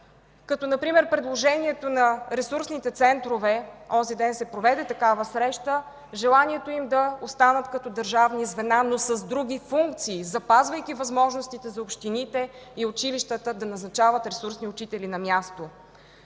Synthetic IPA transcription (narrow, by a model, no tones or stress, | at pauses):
kɐt̪ɔnɐpɾimɛɾpɾɛd̪lˠoʒɛniɛt̪onɐɾɛsuɾsnit̪ɛt̪sɛnt̪ɾovɛɔzid̪ɛnsɛpɾovɛd̪ɛt̪ɐkavəsɾɛʃt̪ə | ʒɛlˠaniɛt̪oimd̪ɐost̪anət̪kɐt̪ɔd̪ɐɾʒavnizvɛnanosəzd̪ɾuɡ̟ʲifuŋk̚t̪siːzɐpazvəjkʲivɐzmɔʒnost̪it̪ɛzɐopʃt̪init̪ɛiʊt͡ʃiliʃt̪ət̪əd̪ɐnɐznɐt͡ʃavət̪ɾɛsuɾsniʊt͡ʃit̪ɛlinɐmʲjast̪o